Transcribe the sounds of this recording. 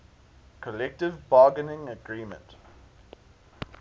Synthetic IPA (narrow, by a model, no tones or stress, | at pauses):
kʰəlɛk̚tɪvbɑːɡənɪ̃ŋəɡɹiːmə̰̃nt